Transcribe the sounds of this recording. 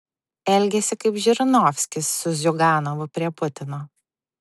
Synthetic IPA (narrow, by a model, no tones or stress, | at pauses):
ɛlʲɡʲɛsʲɪkɐɪpʒʲɪɾʲɪnɔːfʲsʲkʲɪsːʊzʲʊɡɑːnoʋʊpʲɾʲiɛpʊt̪ʲɪnoː